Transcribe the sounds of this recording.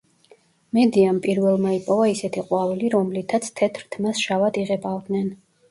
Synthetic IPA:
mɛd̪iampʼiɾvɛlˠmaipʼɔvaisɛt̪ʰiqʼwavliɾɔmlit̪ʰat̪sʰt̪ʰɛt̪ʰɾt̪ʰmasʃavat̪iʁɛbʼavd̪nɛn

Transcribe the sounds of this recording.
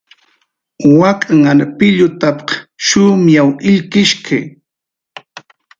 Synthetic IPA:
wakʼaŋaɾpɪʎʊt̪apqʃʊmjawɪʎkɪʃkʰaj

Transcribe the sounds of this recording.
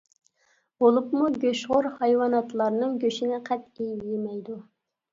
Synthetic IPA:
b̥olˠupmuɡʲøʃʁʊɾhɑjwɑnɑt̪lˠɑɾnɨŋɡʲøʃinɪqʰɛt̪̚ejjemɛjd̪u

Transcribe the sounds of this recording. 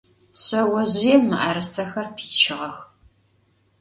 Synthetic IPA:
ɕɐwɐʑjemɨʔaɾɨsɐxɐrpʰi̥ːt͡ʃʰɪʁɐx

